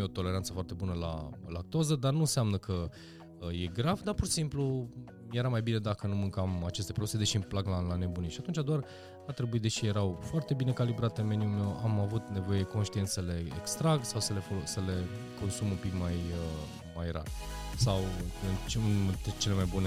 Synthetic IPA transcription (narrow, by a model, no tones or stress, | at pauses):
o̞t̪o̞le̞ɾant̪sə̥foart̪e̞bunəla̰lak̚t̪ozəd̪arnunseamnəkʰə | əje̞ɡɾavd̪apurʃi̥simplu | je̞ɾamajbine̞d̪akənumɨŋkamat͡ʃe̞st̪e̞pɾod̪used̪e̞ʃiɨnplaɡlalane̞buniʃat̪unt͡ʃad̪oar | art̪ɾe̞buid̪e̞ʃije̞ɾawfoart̪e̞bine̞kalibɾat̪eme̞niumamavut̪ne̞vo̞jed̪eko̞nʃt̪ie̞nsele̞ːkst̪ɾaɡsawsəle̞fosəle̞ | kʰo̞nsumumpikmajə | majra̰rsawɨnt͡ʃɨnt̪et͡ʃe̞le̞majbune